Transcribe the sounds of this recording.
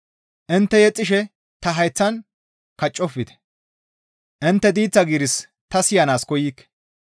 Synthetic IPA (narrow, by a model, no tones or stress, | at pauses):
ʔɪnt̪ːɛjɛt͡sʼːɪʃɛ | t̪ɐɦɐjt͡sːɐn | kɐt͡ʃʼːɔfːɪd̪ɛ̥ | ʔɪnt̪ːɛd̪iːt͡sːɐɡiɾɪs | t̪ɐsɪjɐnaːskɔjikːɛ̥